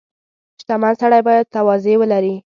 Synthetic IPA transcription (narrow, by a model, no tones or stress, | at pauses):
t̪amansaɽajbɑjad̪̚t̪awɑzewəlaɾi